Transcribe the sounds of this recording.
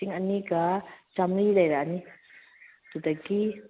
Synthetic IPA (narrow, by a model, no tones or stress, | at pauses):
iŋɐniɡat͡ʃamɾilajɾani | tud̪akːi